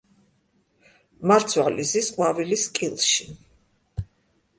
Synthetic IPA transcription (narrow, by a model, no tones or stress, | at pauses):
maɾt̪sʰwalizisqʼwaviliskʼilˠʃi